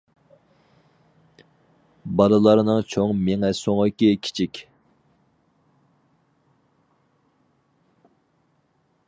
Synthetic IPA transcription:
bɑlˠɨlˠɑɾnɨŋt͡ʃʰoŋmɪŋɛsoŋəkʲikʲʰi̥t͡ʃʰikʲ

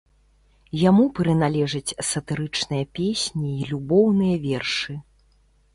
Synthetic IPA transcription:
jamupɾɨnalʲɛʐɐt͡sʲsɐt̪ɨɾɨt͡ʂnɨjɐpʲesʲnʲiːlʲubɔwnɨjɐvʲɛrʂɨ

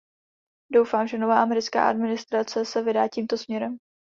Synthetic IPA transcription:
do̞wfaːmʒɛnovaːʔamɛɾɪt͡ska̰ːʔa̰dmɪnɪst̪ɾat͡sɛsɛvɪdaːciːmt̪o̞smɲɛɾɛm

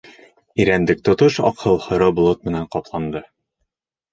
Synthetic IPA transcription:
iɾænd̪ɘk̚t̪ŏt̪ɤʃɒ̰qʰɤlˠhɤ̆ɾɤbŭlˠɤt̪̚mɘ̆næɴqɒplˠɑnd̪ɤ

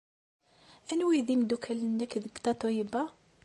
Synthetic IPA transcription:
ænwiðimd̪ukʰælənːækːðəɡt̪ɑt̪ˤoiba

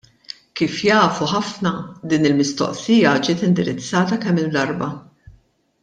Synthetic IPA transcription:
kiːfjɐːfuħɐfnɐd̪iːnɪlmɪst̪ɔ̰ʔsɪjɐd͡ʒɪːt̪ɪnd̪ɪɾɪt͡sːɐːt̪ɐkɛmːɪld̪ɐɾbɐ

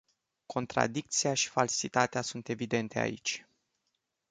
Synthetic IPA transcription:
ko̞nt̪ɾa̰d̪ik̚t̪siaʃi̥falsit̪at̪easunt̪e̞vid̪e̞nt̪e̞a̰ḭt͡ʃʲ

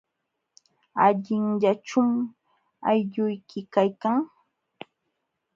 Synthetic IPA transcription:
aʎɪŋʎaʈ͡ʂʊm | ajʎʊjkɪkajkaŋ

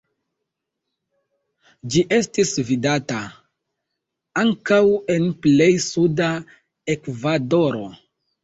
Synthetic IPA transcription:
d͡ʒiʔe̞stisvidata | aŋkawe̞nple̞jsuda | e̞kvado̞ɾo̞

